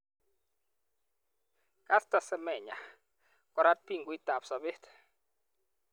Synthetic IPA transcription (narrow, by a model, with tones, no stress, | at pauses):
kʼa˦sta˨sɛ˦mɛ˨ɲa̰˨ | kʼɔ˦ɾa˦t̚pi˦˨ŋɡwi˦tʼa˨psɔ˨be˦tʰ